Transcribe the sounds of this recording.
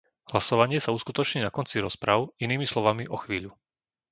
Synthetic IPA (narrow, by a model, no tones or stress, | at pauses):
hlasɔʋaɲɪɛsauskut̪ɔt͡ʃɲiːnakɔnt͡siɾɔspɾaʊiniːmislɔʋamiʔɔxʋiːʎu